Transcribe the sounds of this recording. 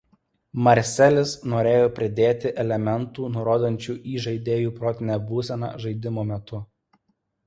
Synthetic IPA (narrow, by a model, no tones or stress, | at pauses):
mɐɾʲsʲɛlʲɪsnoːɾʲeːjoːpʲɾʲɪd̪ʲeːt̪ʲɪʔɛlʲɛmʲɛnt̪uːnʊɾoːd̪ɐnʲt͡ʃʲuːʔiːʒɐɪd̪ʲeːjuːpɾoːt̪ʲɪnʲɛbuːsʲɛnɑ̰ːʒɐɪd̪ʲɪmoːmʲɛt̪ʊ